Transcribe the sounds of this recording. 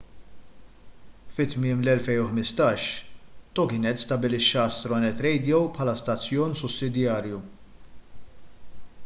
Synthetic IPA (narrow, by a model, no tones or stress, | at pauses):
fɪt̪mɪːmlɛlfɛjnʊħmɪst̪ɐːʃt̪ɔkɪnɛt̪ːst̪ɐbɪlɪʃːɐst̪ɾɔnɛt̪ɾɛjd̪ijɔwpħɐlɐst̪ɐt͡sːjɔːnsʊsːɪd̪jɐːɾju